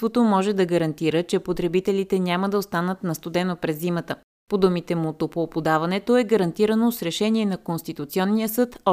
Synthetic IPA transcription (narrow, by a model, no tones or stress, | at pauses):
t̪vot̪omɔʒɛd̪ɐɡəɾɐnt̪iɾət͡ʃɛpot̪ɾɛbit̪ɛlit̪ɛnʲaməd̪ɐost̪anət̪nɐst̪ʊd̪ɛnopɾɛzːimət̪ə | pod̪umit̪ɛmut̪opoːpʊd̪avɐnɛt̪oɛɡəɾɐnt̪iɾənosɾɛʃɛniɛnɐkonst̪it̪ʊt̪siɔnːijəsɤt̪ɔ